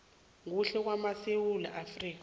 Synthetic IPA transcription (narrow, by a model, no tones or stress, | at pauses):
ŋuɬɛk̬wamasewula̰ʔafriːk̬a